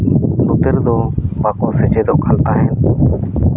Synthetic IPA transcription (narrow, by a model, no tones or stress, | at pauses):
nʊːt̪əɾd̪õːbaːkõːseːt͡ʃeːd̪oːʔkʰalt̪aːɦeːn